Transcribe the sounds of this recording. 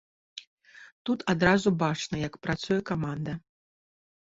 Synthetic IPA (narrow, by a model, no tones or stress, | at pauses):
t̪ut̪ʰad̪ɾazubat͡ʂnɐjɐkpɾat̪sujɛkamand̪ɐ